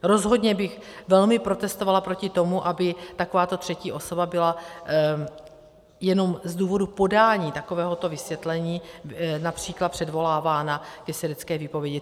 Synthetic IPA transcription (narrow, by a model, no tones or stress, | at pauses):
ɾo̞zɦo̞dɲɛbɪxvɛlmɪpɾo̞t̪ɛst̪ovalapɾo̞cɪt̪o̞muʔabɪt̪ako̞vaːt̪o̞t̪r̥ɛciːʔo̞so̞babɪla | jɛno̞mzduːvo̞dupo̞daːɲiːt̪ako̞vɛːɦo̞t̪o̞vɪsvjɛt̪lɛɲiːnapr̝̥iːklat̪̚pr̝̥ɛdvo̞laːvaːnakɛsɪdɛt͡skɛːviːpo̞vjɛɟɪ